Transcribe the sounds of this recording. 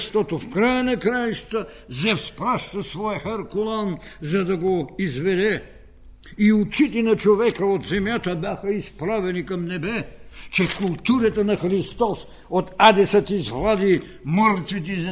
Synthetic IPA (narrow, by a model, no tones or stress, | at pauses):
ʃt̪ɔt̪ofkɾajənɐkɾajʃt̪ə | zɛfspɾaʃt̪ɐsvɔjəxɛɾkolˠanzɐd̪ɐɡoizvɛd̪ɛ | iut͡ʃit̪ɛnɐt͡ʃovɛkəot̪zɛmjat̪əbjaxɐispɾavɛnikɐmnɛbɛt͡ʃɛkulˠt̪uɾət̪ɐnɐxɾist̪ɔs | ot̪ad̪ɛsɐt̪izvlˠad̪i | məɾt̪sit̪̬ɛ